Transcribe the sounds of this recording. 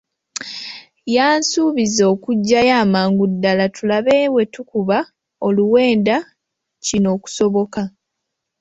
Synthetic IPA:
jaːnsuːβizo̞ːkuɟːajaːmaːŋɡudːalatulaβewe̞tukuβa | o̞luwe̞ːnda | cino̞ːku̥so̞βo̞ka

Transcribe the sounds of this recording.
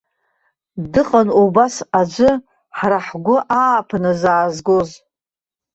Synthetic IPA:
dɨqʼanubasad͡ʒʷɨ | ħraħɡʷʊʔaːpʰanɨzaːzɡoz

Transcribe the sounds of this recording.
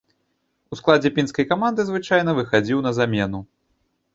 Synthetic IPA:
usklˠad͡zʲɛpʲinskɐjkamand̪ɨzvɨt͡ʂajnɐvɨxad͡zʲiwn̪ɐzamʲɛnu

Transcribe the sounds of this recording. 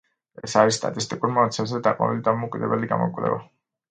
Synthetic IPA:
ɛsaɾissːt̪ʼa̰t̪ʼist̪ʼikʼuɾmɔat̪sʰɛnzɛd̪aqʼɔ̰nilid̪amɔkʼid̪ɛbɛliɡamɔkʼvlɛ̰va̰

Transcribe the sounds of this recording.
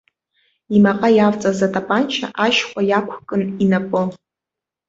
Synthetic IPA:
imaqʼajavt͡sʼazatʼapʼant͡ʃʰa̰ʔaʃχʷajakʷʰkʼɨninapʼɨ

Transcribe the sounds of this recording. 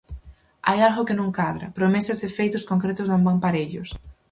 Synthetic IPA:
a̰jalɣʊkɪnõŋkaðɾɐ̰pɾomesɐzðefejt̪ʊskoŋkɾet̪ʊznõŋbaŋpaɾeʎʊs

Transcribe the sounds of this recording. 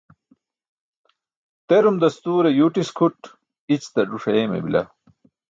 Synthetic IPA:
t̪eɾumd̪ɐst̪uːɾejuːʈiskʰuʈ | it͡ɕt̪ɐɖuʂɐemḛbḭlɐ̰

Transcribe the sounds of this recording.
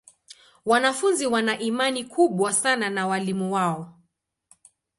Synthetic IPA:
wanafunziwanaʔimanikʰuɓwasananawalimuwaɔ

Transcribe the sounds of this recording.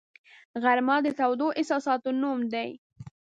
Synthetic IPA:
ɣaɾmɑd̪ət̪awd̪oʔɪsɑsɑt̪onumd̪aj

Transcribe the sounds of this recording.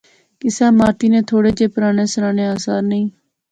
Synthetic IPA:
kɪsɛːmaːt̪iːnẽːt̪ʰoːɽeːd͡ʒeːpəɾaːneːsəɾaːneːaːsaːɾnəĩː

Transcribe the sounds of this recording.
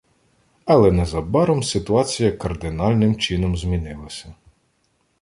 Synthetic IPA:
ɐlˠɛnɛzɐbɑɾɔmsɪt̪ʊɑt͡sʲijɐkɐrd̪ɪnɑlʲnɪmt͡ʃinɔmzʲmʲinɪlˠɐsʲɐ

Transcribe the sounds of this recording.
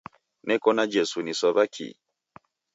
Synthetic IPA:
nɛkɔnad͡ʒɛsunisɔβakʰḭ

